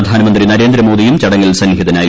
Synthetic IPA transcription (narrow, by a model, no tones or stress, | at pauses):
ɐd̪ʱaːnɐmɐnd̪rinɐɾeːnd̪ɾɐmo̞ːd̪ijumt͡ɕɐɽɐŋːilsɐnhɦiðɐnaːj